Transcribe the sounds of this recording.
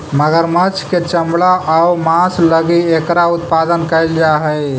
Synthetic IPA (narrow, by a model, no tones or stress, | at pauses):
məɡəɾmət͡ʃʰket͡ʃəmbɭaʔəwmãːsləɡiekɾaʊt̪̚pad̪ənkəɪld͡ʒaɦɛ